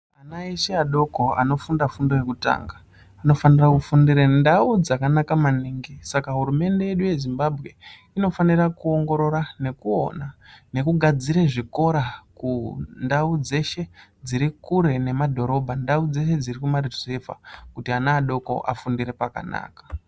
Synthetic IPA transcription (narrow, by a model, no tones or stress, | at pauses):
anaeʃeaɗo̞ko̞a̰no̞fundafundojekuta̰ŋɡaː | no̞fanirakufundiɾendaud͡zakanakamaniːŋɡisakaɦurume̞nde̞je̞ɗuje̞zimbabʱɣe̞ | ino̞fanirakuo̞ŋɡo̞ɾo̞ɾane̞kuo̰nane̞kuɡʱad͡ziɾeʐiko̞ɾakundaud͡ze̞ʃe̞d͡ziɾikuɾe̞ne̞madʱo̞ɾo̞bʱandaud͡ze̞ʃe̞d͡zirikumariefa̰kutianaːɗo̞ko̞̰ʔa̰fundiɾe̞paka̰na̰ːkḁ